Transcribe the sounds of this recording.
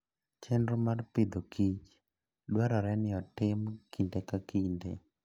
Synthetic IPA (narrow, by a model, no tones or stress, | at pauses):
t͡ʃɛndɾomarpɪd̪okit͡ʃ | ɗwaɾɔɾɛnɪɔtɪmkindekakindḛ